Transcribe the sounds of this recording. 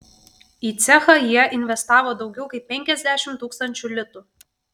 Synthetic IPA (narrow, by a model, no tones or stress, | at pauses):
iːt̪sʲɛxɐjiɛʔɪnʲʋʲɛst̪ɑːʋoːd̪ɒʊɡʲɛʊkɐɪp̚ːʲɛŋʲkʲɛzʲd̪ʲæʃʲɪmt̪uːkst̪ɐnʲt͡ʃʲulʲɪt̪ʊ